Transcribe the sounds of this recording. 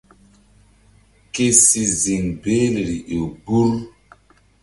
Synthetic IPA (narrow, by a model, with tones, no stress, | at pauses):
ke˦si˨zi˨ŋbe˦le˨ɾi˨ʔo˨bu˦ɾ